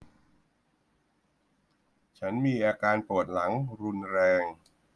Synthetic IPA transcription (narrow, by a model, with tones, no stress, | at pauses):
t͡ɕʰa˦˥nmiː˧ʔaː˧kaː˧npu˨˩ət̪̚la˩˦ŋɾu˧nɾɛː˧ŋ